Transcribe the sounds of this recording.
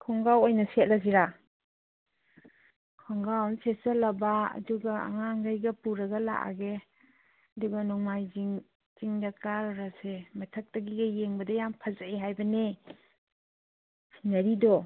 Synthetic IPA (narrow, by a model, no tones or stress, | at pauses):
kʰɔŋɡawojnɐset̚laziɾa | kʰɔŋɡawnsesɐlɐbaɐ̰duɡaa̰ŋaŋɡajɡɐpuɾɐɡɐla̰ʔa̰ɡe | ɐduɡɐnɔŋmajziŋ | z̥iŋdɐkɾaɾɔɾasemɐtʰɐk̚tɐɡiɡɐjeŋbɐdɐjampʰazaeɦajbɐne | inɐɾidɔ